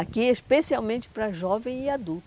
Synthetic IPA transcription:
akiespesiawmẽnt͡ʃɪ̥pɾɐʒɔvẽj̃ɪad̪ult̪

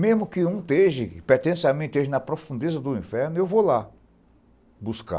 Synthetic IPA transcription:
mezmʊkɪũt̪eʒɪpeɾt̪ẽsamẽt̪ʊt̪eʒɪnɐpɾofũnd̪ezɐd̪ʊĩfɛɾnʊewvola | buska̰

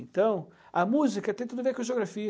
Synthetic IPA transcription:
ẽnt̪ɐ̃w̃ | ɐmuzikɐt̪ẽt̪ud̪ʊvekʒeoɡɾafi

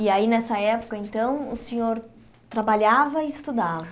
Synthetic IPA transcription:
ɪainɛsɐɛpʊ̥kɐẽnt̪ɐ̃w̃ʊsẽɲoɾ | t̪ɾabaʎavɐɪɪst̪ud̪avɐ

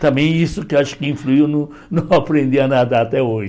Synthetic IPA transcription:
t̪ɐ̃bẽj̃isʊkeaʃʊ̥kɪĩfluiwnɐ̃w̃ | nɐ̃w̃apɾẽnd̪iɐnad̪ɐat̪ɛoʒɪ

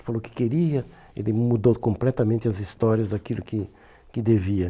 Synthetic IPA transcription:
falowkɪ̥keɾiɐ | elɪmud̪owkõmplɛt̪ɐmẽnt̪ɪɐzist̪ɔɾiɐzd̪akilʊkɪ | kɪd̪eviɐ

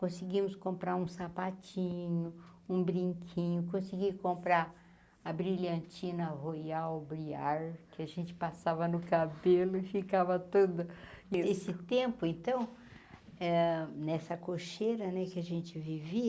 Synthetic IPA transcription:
kõsɪɡĩmʊskõmpɾaũsapat͡ʃĩɲʊũbɾĩŋkʰĩɲʊkõsɪɡikõmpɾa | ɐbɾiʎɐ̃nt͡ʃĩnɐɦojawbɾiaɾkɪaʒẽnt͡ʃɪ̥pasavɐnʊkabelʊfikavɐt̪od̪ɐesɪt̪ẽmpʊẽnt̪ɐ̃w̃ | ɛnɛsɐkoʃeɾɐnɛkɪaʒẽnt͡ʃɪviviɐ

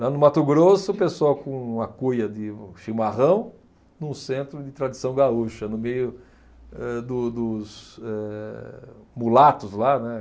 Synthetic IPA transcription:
lanʊmat̪ʊɡɾosʊpesoawkõɐkujɐd̪ɪʃimaʁɐ̃w̃ | nũsẽnt̪ɾʊd̪ɪt̪ɾad̪isɐ̃w̃ɡauʃɐnʊmejʊ | ɛd̪ʊd̪ʊsɛ | mulat̪ʊzlanɛ

